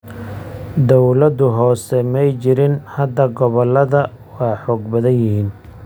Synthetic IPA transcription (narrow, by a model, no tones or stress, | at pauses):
d̪ɔwlɐd̪ʊɦɔːsɛmɛjt͡ʃɪɾɪnhɐd̪ɐɡɔβɔlːɐðɐ | wɑːħɔːɡbɐðɐnjɪɦiːn